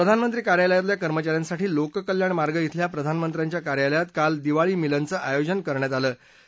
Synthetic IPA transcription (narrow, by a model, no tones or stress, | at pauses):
pɾəd̪ʱanmənt̪ɾiːkaɾjaləjat̪̬ljakəɾmət͡ɕaɾjansaʈʰiːlokkəljaɳmaɾɡəjit̪ʰljapɾəd̪ʱanmənt̪ɾjaɲt͡ɕjakaɾjaləjat̪kald̪iʋaɭiːmilənt͡səːʔajod͡ʑənkəɾɳjat̪̬aləː